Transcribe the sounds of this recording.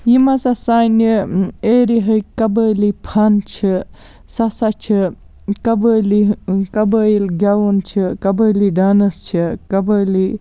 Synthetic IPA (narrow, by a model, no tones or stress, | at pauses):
jimɐsasanieːɾiɦɐjkɐbəlipʰant͡ʃʰi | sɐsat͡ʃʰi | kɐbəlikɐbəjilɡʲawunt͡ʃʰikɐbəliɖaːnɐst͡ʃʰikɐbəli